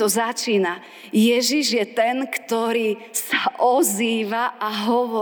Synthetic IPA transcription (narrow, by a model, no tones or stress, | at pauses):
ɔzat͡ʃiːna | jɛʒiʒjɛt̪ɛnkt̪ɔɾiː | saʔɔziːʋaʔaɦɔʋɔ